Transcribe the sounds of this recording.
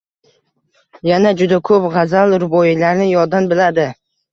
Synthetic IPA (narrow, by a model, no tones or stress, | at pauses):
janad͡ʒʊd̪akʰɵpʁɑzalˠɾʊbɒjilaɾnɪjɒd̪anbɪlad̪ɪ